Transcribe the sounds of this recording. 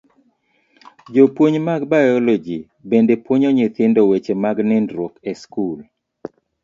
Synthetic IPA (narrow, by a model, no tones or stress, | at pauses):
d͡ʒopwoɲmaɡbajɔlɔd͡ʒi | bendepwoɲɔɲet̪ɪndɔwet͡ʃemaɡnɪndɾokɛskul